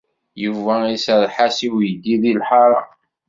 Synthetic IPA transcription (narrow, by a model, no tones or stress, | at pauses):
juvæisəɾˤħasiwjəɡiðilħɑɾˤɑ̰